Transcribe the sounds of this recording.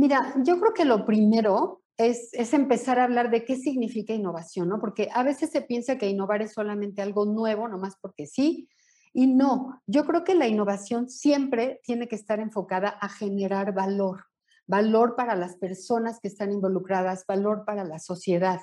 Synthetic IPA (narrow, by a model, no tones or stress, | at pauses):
miɾaɟ͡ʝo̞kɾeoke̞lo̞pɾime̞ɾo̞ | e̞se̞se̞mpe̞saɾaːβlaɾðe̞ke̞s̬iɣnifikaino̞βasjo̞nːo̞po̞ɾke̞ʔaβe̞se̞sːe̞pje̞nsake̞ino̞βaɾe̞sːo̞lamẽnt̪ealɣo̞nwe̞β̞o̞nõ̞maspo̞ɾke̞si | ino̞ɟ͡ʝo̞kɾe̞oke̞laino̞βasjo̞nsje̞mpɾe̞t̪je̞ne̞keːst̪aɾe̞ɱfo̞kaðaʔaxe̞ne̞ɾaɾβalo̞ɾ | balo̞ɾpaɾalaspe̞ɾso̞naske̞ːst̪animbo̞lukɾaðazbalo̞ɾpaɾalaso̞sje̞ðað